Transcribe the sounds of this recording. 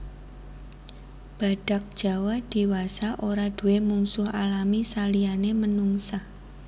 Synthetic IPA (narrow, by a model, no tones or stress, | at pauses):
b̥a̤ɖ̥a̤k̚d̥ʒ̥a̤wahd̥i̤wasaʔoɾad̥ṳwemuŋsʊhalamisalianemənuŋsah